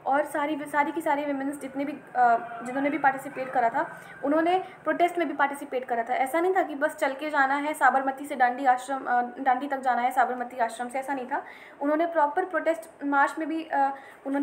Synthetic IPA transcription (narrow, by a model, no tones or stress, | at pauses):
ɔːɾsaːɾisaːɾikisaːɾiʋɪmɪnsd͡ʒɪt̪nebʱid͡ʒɪnɦõːnebʱipaːʈɪsɪpeːʈkɐɾat̪ʰa | ʊnɦõːnepɾoːʈeːsʈmẽbʱipaːɾʈɪsɪpeːʈkɐɾat̪ʰaɛːsanɐɦĩt̪ʰakibɐst͡ʃɐlked͡ʒaːnaɦɛsaːbəɾmət̪iseɖãːɳɖiaːʃɾəmɖãːɳɖit̪ɐk̚d͡ʒaːnaɦɛsaːbəɾmət̪iaːʃɾəmseɛːsanɐɦĩt̪ʰaː | ʊnɦõːnepɾɔːpəɾpɾoːʈeːsʈmaːɾt͡ʃmẽbʱi | ʊnɦõ